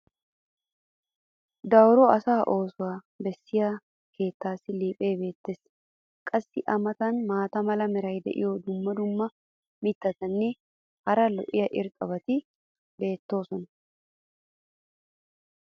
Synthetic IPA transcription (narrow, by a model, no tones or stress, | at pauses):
d̪ɐwɾɔɐsaːʔo̞ːsʊwaː | bɛsːɪjaː | ke̞ːt̪ːaːsːɪliːpʼe̞ːbe̞ːt̪ːeːs | kʼɐsːɪʔɐmɐt̪ɐnmaːt̪ɐmɐlɐmɛɾɐjd̪ɛ̰ʔɪ̰jɔd̪ʊmːɐd̪ʊmːɐ | mɪt̪ːɐt̪ɐnːɛ | hɐɾɐlɔ̰ʔɪjɐʔɪɾkʼɐbɐt̪ɪ | be̞ːt̪ːo̞ːsɔnɐ